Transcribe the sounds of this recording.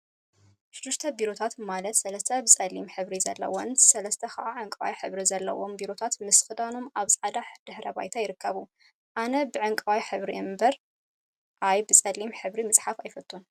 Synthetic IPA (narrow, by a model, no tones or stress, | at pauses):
ʃɪd̪ːɪʃt̪ʰɐbiɾo̞t̪ʰat̪malɐt̪sɐlɐst̪ʰɐbɨsʼɐlːimħɨβɾizɐ̰lːɐ̰wonsɐlɐst̪ʰɐxɐ̰ʔaʕɨŋkʼɨwa̰jħɨβɾizɐlːɐ̰wo̞mbiɾo̞t̪ʰat̪mɨsfɨd̪ano̞maβsʼad̪aħd̪̥ɨħɾɐba̰jt̪ʰajɪɾɨkʰːɐβu | ʔanɐbɨʕɨŋkʼɨwajħɨβɾiʔɨmbɐɾ | ʔajbɨt͡sʼɐlːimħɨβɾimɨsʼħafajfɐt̪ʼːun